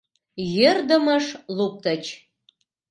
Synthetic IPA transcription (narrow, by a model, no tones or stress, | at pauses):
jerd̪ə̆məʃlup̚t̪ət͡ɕ